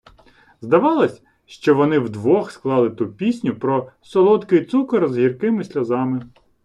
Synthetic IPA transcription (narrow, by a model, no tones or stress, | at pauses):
zd̪ɐʋɑlˠɔsʲ | ʃt͡ʃɔʋɔnɪwd̪ʋɔxsklˠɑlˠɪt̪upʲisʲnʲʊpɾɔsɔlˠɔt̪kɪjt̪sukɐɾzɦʲirkɪmɪsʲlʲɐzɑmɪ